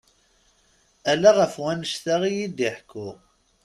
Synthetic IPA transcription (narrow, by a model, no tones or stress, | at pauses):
ælæʁəfwænəʃθæʁijid̪iħkʰːʊʁ